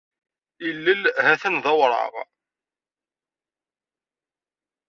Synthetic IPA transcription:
ilːəlhæθənðɑwɾˤɑ̰ʁ

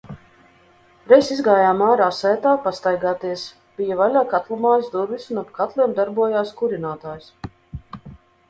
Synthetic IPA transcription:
ɾɛjsizɡaːjaːmaːɾaːsɛjt̪aːpast̪ajɡaːt̪iɛs | b̥ijavalʲaːkat̪lˠumaːjzd̪ubisunabkat̪lʲiɛmd̪aɾbuɔjaːskuɾinaːt̪aːjs

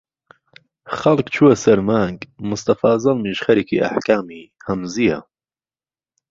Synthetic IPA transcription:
χɐlˠkt͡ʃʰuɐsɐɾmaːŋɡmʊst̪ɐfaːzɐlˠmiʃχɐɾikḭʔa̰ħkaːmihɐmzijɐ̰

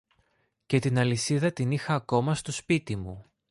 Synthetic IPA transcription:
ce̞t̪inɐlisiðɐt̪inixɐːko̞mɐst̪o̞spit̪imu

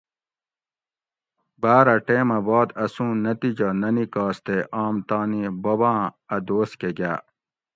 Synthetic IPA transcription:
baːɾɐʈeːmɐbaːd̪ɐsũːnɐt̪id͡ʑɐnɐnikaːst̪eʔaːmt̪aːnibobãːɐd̪oːskeɡaː

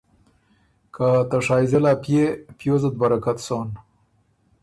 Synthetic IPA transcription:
kʰat̪aʂɑːjzelaːpjepjozad̪̚baɾakat̪soːn

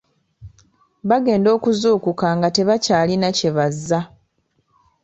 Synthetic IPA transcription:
βaɡe̞ːndo̞ːkuzuːkukaːŋɡate̞βacaːlinace̞βazːa

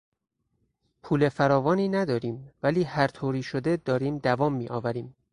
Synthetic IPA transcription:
pʰuːle̞fæɾɒːvɒːniːnæd̪ɒːɾiːmvæliːhæɾt̪ʰoːɾiːʃod̪ed̪ɒːɾiːmd̪ævɒːmːiːʔɒːvæɾiːm

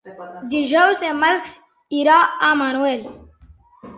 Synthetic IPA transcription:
d̪iʒawsemɐlks | iɾaːaːmaːnuwel

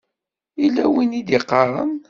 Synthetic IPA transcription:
ilːæwinid̪iqːɑɾˤə̰n

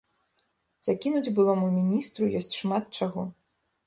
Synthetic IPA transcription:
z̥akʲinud͡zʲbɨlˠɔmumʲinʲist̪ɾujɔsʲt͡sʲʂmat̪̚t͡ʂaɣɔ

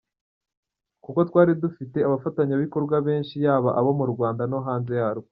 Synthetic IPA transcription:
kuko̞twaːɾidufite̞aβafataɲaβiko̞ɾɡwaβe̞ːnʃijaːβaʔaβomuɾɡwaːndano̞ɦaːnze̞jaːɾo

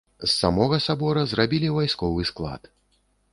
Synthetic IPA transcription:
sːamɔɣɐsabɔɾɐzrabʲilʲivajskɔvɨsklˠa̰t̪

